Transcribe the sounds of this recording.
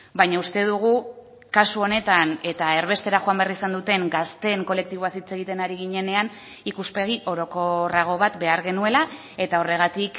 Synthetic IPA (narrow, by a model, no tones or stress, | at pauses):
bajɲaust̪e̞ðuɣ̞u | kasuo̞ne̞t̪ane̞t̪ae̞ɾβe̞st̪e̞ɾaxoambearisand̪ut̪e̞ŋɡast̪e̞ŋko̞le̞k̚t̪iβo̞asit͡se̞ɣ̞it̪e̞naɾiɣiɲe̞ne̞an | ikuspe̞ɣ̞iʔo̞ɾo̞ko̞raɣ̞o̞β̞at̪be̞aɾɣe̞nue̞la | e̞t̪ao̞re̞ɣ̞at̪ik